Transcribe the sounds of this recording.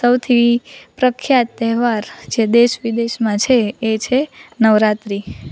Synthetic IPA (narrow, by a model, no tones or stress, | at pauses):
səwt̪ʰipɾəkʰjat̪ːɛɦʋaɾd͡ʒed̪eʃʋid̪eʃmãt͡ʃʰeːt͡ʃʰenəʋɾat̪ɾi